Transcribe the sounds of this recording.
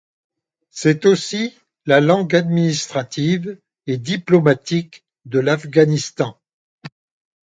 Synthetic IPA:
sɛt̪osi | lalɑ̃ɡad̪minist̪χat̪iv | ed̪iplɔmat̪ik | d̪əlafɡanist̪ɑ̃

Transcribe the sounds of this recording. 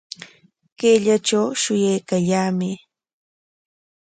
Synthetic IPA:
keʎat͡ʃawʃʊjajkaʎaːmɪ

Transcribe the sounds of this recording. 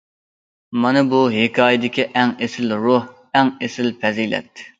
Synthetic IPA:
mɑnɨbuɦekʰɑːjɪd̪ɪkʲiʔɛŋesɪlɾoh | ɛŋesɪlpʰɛzilɛ̰t̪ː

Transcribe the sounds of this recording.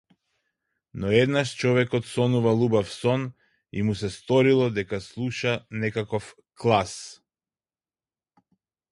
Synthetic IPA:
nɔɛd̪naʃt͡ʃɔvɛkɔt̪sɔnuvalˠubafsɔn | ḭmus̬ɛst̪ɔɾilˠɔd̪ɛkaslˠuʃanɛkakɔf | klˠas

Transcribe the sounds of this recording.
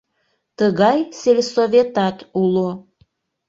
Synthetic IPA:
t̪əɣɑjselʲsovʲet̪ɑt̪ulo

